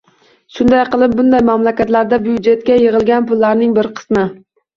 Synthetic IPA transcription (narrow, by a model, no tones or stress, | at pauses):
ʃʊnd̪ajqɨlˠɪp̚bʊnd̪ajmamlakʲat̪laɾd̪abujud͡ʒe̞t̪̚kʲajɪʁɨlˠɡʲanpʊlˠːaɾnɪŋbɪɾqʰɨ̥smɪ